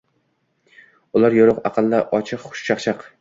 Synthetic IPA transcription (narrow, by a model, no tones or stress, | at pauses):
ʊlˠaɾjoɾʊqɑ̰qʰɨlˠːaʔɒt͡ʃʰɨqχʊ̥ʃʃɑχt͡ʃʰɑq